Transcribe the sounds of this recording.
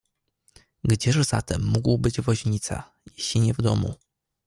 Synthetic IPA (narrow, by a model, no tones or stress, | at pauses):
ɡd͡ʑɛʐz̥a̰t̪ɛmːuɡwbɘd͡ʑvɔʑɲit̪sa̰ | jeɕiɲɛvd̪ɔmṵ